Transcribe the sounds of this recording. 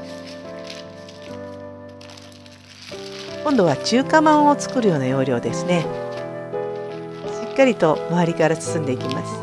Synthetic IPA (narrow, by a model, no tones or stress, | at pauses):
kõ̞nd̪o̞βat͡ɕɨːkamãɰ̃ot͡sɨ̥kɯ̟ɾɯ̟jo̞ːnajo̞ːɾʲo̞ːd̪e̞sɨne | ɕikːaɾʲit̪o̞oaɾʲikaɾasɨ̥sɨ̃nd̪e̞ikʲimasɨ̥